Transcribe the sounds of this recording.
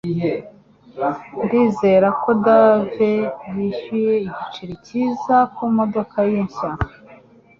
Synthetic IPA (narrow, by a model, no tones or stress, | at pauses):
ndiːze̞ɾako̞davejiʃuje̞iɟit͡ʃiɾiciːzakumo̞do̞kʰajeɲʃaŋa